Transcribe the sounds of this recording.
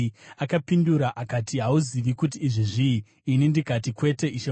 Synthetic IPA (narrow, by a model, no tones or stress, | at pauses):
akapinduɾaʔakatiɦauziʋikut̬iːʐiʐiː | nindikatikwe̞te̞it͡ʃe